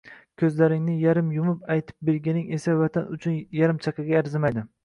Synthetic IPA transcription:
kʲʰɵzlaɾɪŋnɪjaɾɪmjʊmʊpajt̪ʰɪ̥p̚beɾɡʲanɪŋesavat̪ʰanʊt͡ʃʰʊnjaɾɪmt͡ʃʰaqɨɡʲaːɾzɪmajd̪ɪ

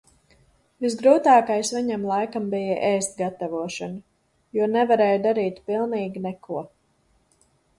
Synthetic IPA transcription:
vizɡɾuːt̪aːkajsviɲamlˠajkambijaʔɛjst̪ɡat̪avuɔʃana | juɔnɛvaɾɛːjd̪aɾiːt̪pilˠniːɡʲinɛkʰuɔ

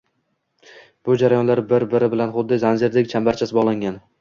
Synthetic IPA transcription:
b̥ʊd͡ʒaɾajɒnlaɾbɪɾbɪɾɪbɪlanχʊd̪ːɪzanzɪɾd̪ɪkʲt͡ʃʰambaɾt͡ʃʰasɪbɒʁlˠaŋɡʲan

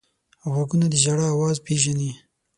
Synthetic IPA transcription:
awaɡunad̪əʒaɽaːwɑːzpeʒani

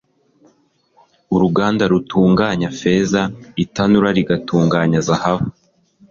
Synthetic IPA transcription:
uɾuɡaːndaɾutʰuːŋɡaːɲafe̞ːzaitanuɾaɾiɡatuːŋɡaːɲazahavu

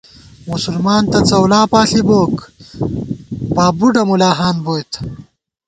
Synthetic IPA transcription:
musulmaːnt̪ɐt͡sɐwlaːpaːɬiboːk | paːbuɖɐmulaːɦaːnboːjt̪

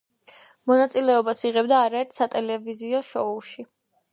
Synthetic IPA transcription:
mɔnat̪sʼilɛɔbasiʁɛbd̪aːɾaɛɾt̪ʰsat̪ʼɛlɛviziɔʃɔuʃi

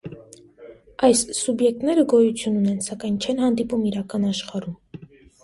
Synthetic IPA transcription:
ɑjssubjɛk̚t̪nɛɾəɡɔjut͡sʰjununɛnsɑkɑjnt͡ʃʰɛnhɑnd̪ipumiɾɑkɑnɑʃχɑɾum

